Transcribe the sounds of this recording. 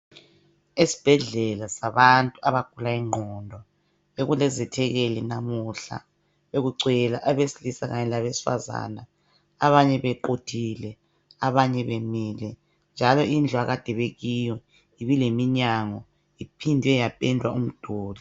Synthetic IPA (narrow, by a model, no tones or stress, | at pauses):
esi̥b̥ʱɛɮɛlasaβantʼuaβaɡ̥ʱulaiŋ͡ǃʱɔndʱɔ | eɣulɛzɛtʰɛɣelinamuɬa̰ | βeɣuǀɛlaʔaβesilisaɣaɲɛlaβesi̥fa̰za̰na | aβaɲɛβɛǃod̥ʰʱilɛ | aβaɲɛβemiːlɛ | nd͡ʒʱalɔind͡ɮʱwaɣad̥ʱɛβeɣijɔ | iβilemiɲaŋɔ | ipʰindʱiɛjapʼɛndʱwa̰um̩d̥ʱoːli